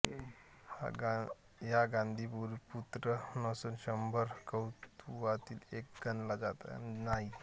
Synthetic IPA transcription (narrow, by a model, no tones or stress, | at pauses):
ha̰ | ɦjaɡãnd̪ʱiːpuɾput̪ɾənəsunɕəmbʱəɾkəwt̪uʋat̪iːlek̚ɡənlad͡zat̪a̰naɦi